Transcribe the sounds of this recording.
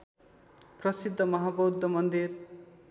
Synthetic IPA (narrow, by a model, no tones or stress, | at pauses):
prʌsid̪ʱːʌmʌɦabʌwd̪ʱːʌmʌnd̪ir